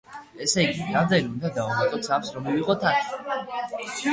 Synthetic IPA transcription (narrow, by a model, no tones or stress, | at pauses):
ɛsɛɡiad̪ɛnund̪ad̪aɔnat̪ʼɔt̪sʰafsɾɔmiviʁɔt̪ʰat̪ʰ